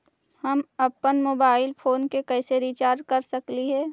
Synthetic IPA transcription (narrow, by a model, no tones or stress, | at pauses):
hɐmɐpːənmoːbaːɪlpʰoːnkekɛːseɾiːt͡ʃaːɾd͡ʒkɐɾsɐkliɦɛː